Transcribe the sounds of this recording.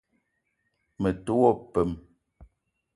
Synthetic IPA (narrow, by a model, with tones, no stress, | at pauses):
me˨to˦wɔ˦˨pɛ˨m